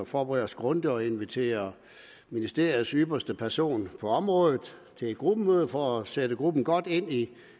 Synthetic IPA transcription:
fɒːb̥ʁɛð̰ˠɐsɡ̥ʁɔnd̥əɒ̽e̝nʋit͡sʰe̝̰ːɐ | minisd̥e̝ɐ̰ið̩ˠsyb̥ɐsd̥əpʰæɐso̝̰ːnpʰɒ̽ɒ̽mʁɔ̽ːð̩ˠt͡sʰe̝le̝d̥̚ɡ̥ʁub̥əmøːð̩ˠfɒæsed̥əɡ̥ʁub̥n̩ɡ̥ɒ̽d̥e̝n̰i

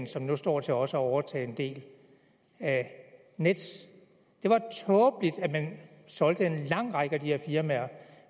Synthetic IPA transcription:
n̩sɒ̽mnusd̥ɒ̰ːt͡sʰe̝lɒ̽səæɒʊɐt͡sʰɛ̰ːe̝nd̥e̝̰ːl | æ | ned̥s | d̥e̝ʋɑ̈t͡sʰɔːb̥lid̥æmæn | sɒ̽l̰d̥əe̝nlɑ̈ŋ̰ʁɑ̈ɡ̥əæd̥ihɛɐfiɐmæɐ

